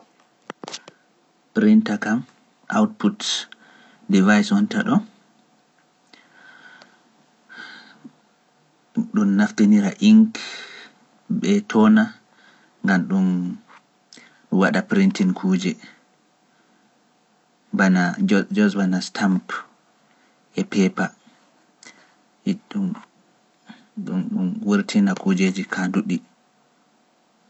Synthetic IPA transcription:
pɾintakam | ʔa̰wt̚put | divajsɔntaɗɔ | ɗumːafteniɾaʔiŋk | ɓɛtʰɔna | ŋɡamɗun | waɗapɾintinkʰuːd͡ʒɛ | banad͡ʒɔsbanastʰamp | ʔɛpɛpa | ɗu | ɗunɗumwuɾtʰinakud͡ʒed͡ʒikʰanduɗi

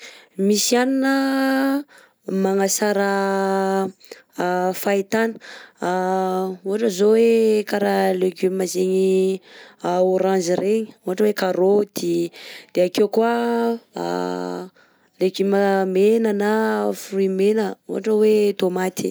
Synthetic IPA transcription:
misianinə | maŋasaɾə | fait̪anə̥ | uɦaʈ͡ʂəzowekaɾaleɡymmazeɲi | oɾãnziɾeɲi̥uɦaʈ͡ʂəwekaɾod̪̥id̪̥eakewkuə̰ | leɡymamenənafruimenəṵɦaʈ͡ʂəwet̪omat̪i̥

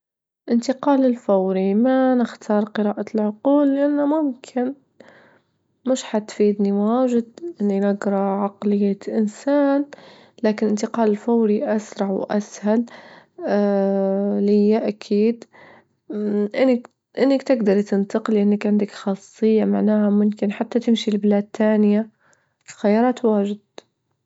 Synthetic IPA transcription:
ʔɪnt̪ɪqɑːlɪlfawɾimanɪxt̪ʰɑːɾˤqɨɾaːʔalʕʊquːlːɪʔanːamʊmkʰɪn | mɪʃħat̪fiːd̪niwaːʒɪd̪ʔɪnːinaɡɾˤɑʕɑqlɪjːaʔɪnsaːn | laːkɪnʔɪnt̪ɪqɑːlɪlfawɾiʔasɾˤɑʕwʔa̰shal | lɪjːaʔakʰiːd̪ | ʔɪnːɪk | ʔɪnːɪkt̪ɪɡd̪ɑɾˤt̪ɪnt̪ɑqlʔɪnːɪkʕɪnd̪ɪkxɑːsˤːɨjːamaʕnaːhamʊmkɪnħat̪ːat̪ɪmʃilbɪlaːd̪̚t̪aːnɪja | xajːɑːɾˤɑːt̪waːʒɪd̪̥̚

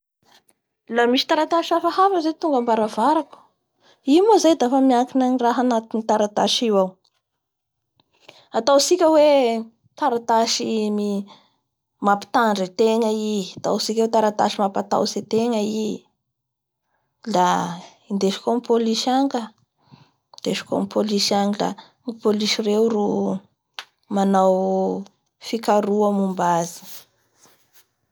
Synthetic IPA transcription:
lamiʃi̥t̪aɾat̪aʃafahafəzet̪uŋɡəmbaɾavaɾaku̥ | imozajd̪afəmiakinaniraɦanat̪init̪aɾat̪aʃiwaw | at̪awsikʲəwe | t̪aɾat̪aʃimi | mapi̥t̪aɳɖ͡ʐet̪eŋəiat̪a̰wsikʲəwet̪aɾat̪aʃimapat̪a̰wset̪eŋəi | la | ind̪eʃi̥komipoliʃaŋɡə | d̪̥eʃi̥ko̰mipʰoliʃaŋila̰ | mipoliʃirewru | manaw | fikaɾuəmumbazi̥

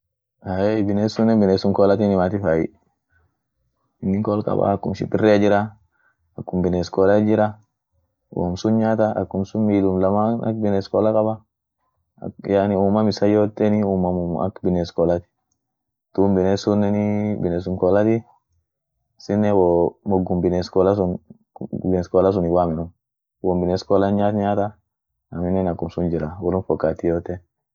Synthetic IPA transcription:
haɛjbɪnesʊnːɛbɪnesʊŋkɔːlɐt̪ɪnɪmat̪ɪfaːjɪ̰ | ɪnːɪŋkɔlkʼɐ̰ba̰ɐkːʊmʃɪ̰bɪrːɛad͡ʒɪɾɐ | ɐkːʊmbɪneskɔːlɐd͡ʒɪɾɐ | wo̰msʊnɲaːt̪ɐʔɐ̰kːʊmsʊmmiːlʊmlɐmaːnɐ̰k̚bɪnɛskɔːlɐkʼɐbɐ | janɪuːmɐmɪsɐjoːt̪ːɛnɪuːmɐmʊɐ̰kbɪneskɔːlɐt̪ɪ̥ | t̪uːmbɪnesʊnːɛnɪbɪnes̬ʊŋkɔːlɐt̪ɪ | sɪnːɛwɔmɔɡːʊmbɪneskɔːlɐsʊn | bɪneskɔːlɐs̬ʊnɪwaːmɪnʊm | wɔːmbɪneskɔlɐnɲaːt̪ɲaːt̪ɐ | ɐmɪnːɛnɐkːʊmsʊnd͡ʒɪɾɐwɔlʊnfɔkːaːt̪ːɪjoːt̪ːɛ

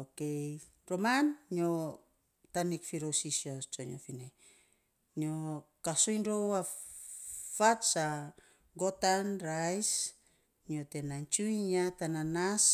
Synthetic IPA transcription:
okej | ɾomanɲo | tanikfiɾosisiot͡ʃoɲo̰fine | ɲokasojnɾowa | fatsa | ɡo̞tanɾajs | ɲio̞te̞nant͡ʃujɲatananas

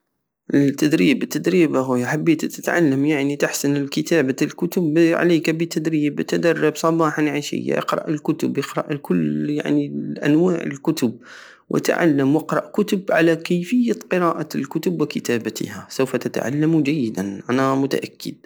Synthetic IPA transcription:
ʔɪlt̪ːad̪ɾiːbt̪ːad̪ɾiːbaɦʊːjħabːeːt̪t̪ɪt̪ʕa̰lːamjaʕnit̪ɪħsɪnɪlkɪt̪aːbalkʊt̪ʊbʕa̰leːkabɪt̪ad̪ɾiːbt̪ad̪ɑrˤːɪbsˤɑbɑːħanʕaʃɪ̰jːa̰ʔɪ̰qɾɑ̰ʔɪlkʊt̪ʊbjɪqɾɑ̰ʔkʊlːja̰ʕniʔa̰nwaːʕɪ̰lkʊt̪ʊb̚ | wʔɪ̰t̪ʕa̰lːamwɪqɾɑ̰ʔkʊt̪ʊbʕa̰lakajfɪjːaqɨɾɑːʔalkʊt̪ʊbwɪkɪt̪aːbat̪ʰɪ̰hasawfat̪at̪ʕa̰lːamud͡ʒajːɪd̪anʔanamʊt̪a̰ʔakːɪ̰d̪̥̚

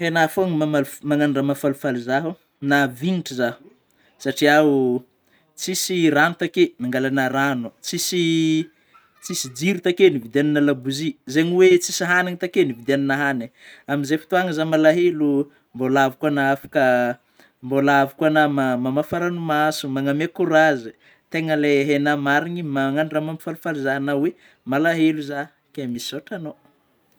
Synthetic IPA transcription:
henafoŋimamalumaŋanɖ͡ʐamafalufalizaɦu | naviniʈ͡ʂizḁ | saʈ͡ʂiau | t͡sisiranut̪akenaŋɡalanəɾanut͡sisi | t͡sisid͡ziɾut̪akenivid̪aninalabuzizeɲiwet͡sisiɦaninit̪akenivid̪aninaɦaniaminzefi̥t̪uaŋəzamalaɦelu | mbolavikanaafḁkə | mbolavikanamamamafaɾanumasumaŋamekuɾazi | t̪eŋəleɦenamaɾiɲimaŋanramamifalufaluzaɦanawe | malaɦeluza | kemisisoʈ͡ʂano

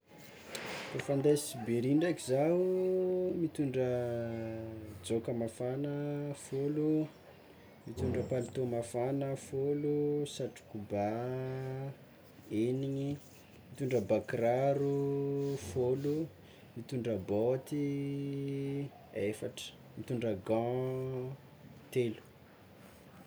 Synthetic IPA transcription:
fafand̪esibeɾiɳɖ͡ʐakizau | mit̪uɳɖ͡ʐə | d͡zokəmafanəfolu | mit̪uɳɖ͡ʐəpalit̪omafanəfolusaʈ͡ʂu̥kuba | eniɲi | mit̪uɳɖ͡ʐəbakraɾu | folu | mit̪uɳɖ͡ʐəbɔt̪i | efaʈ͡ʂə̥ | mit̪uɳɖ͡ʐəɡã | t̪elu̥

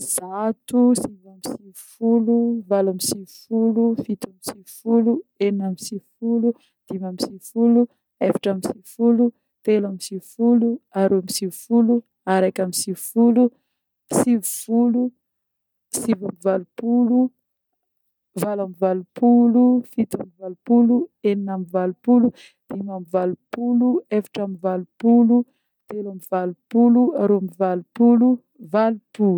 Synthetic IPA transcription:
z̥at̪usivamisivufuluvalamisivufulufit̪amisivfuluennamisivfulu | d̪̥imamisivfulu | efḁʈ͡ʂamisivfulu | t̪elamisivfuluaɾoamisivufulu | aɾakamisivfulu | sivufulu | sivamivalupulu | valamivalupʰulufit̪amivalupulueninamivalupulu | d̪̥imamivalupuluefḁʈ͡ʂamivalupulu | t̪elamivalupuluaɾoamivalupulu | valupulu

